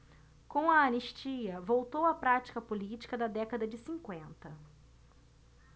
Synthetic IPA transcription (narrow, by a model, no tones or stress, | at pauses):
kõw̃ɐɐniʃt͡ʃiɐvowt̪owɐpɾat͡ʃi̥kɐpolit͡ʃi̥kɐd̪ɐd̪ɛkɐd̪ɐd͡ʒɪsĩŋkwẽnt̪ɐ